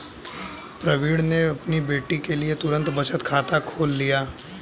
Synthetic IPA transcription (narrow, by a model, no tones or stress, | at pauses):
pɾɐʋiːɽneɐpnibeːʈikeliet̪ʊɾə̃nt̪bɐt͡ʃət̪kʰaːt̪akʰoːlːijaː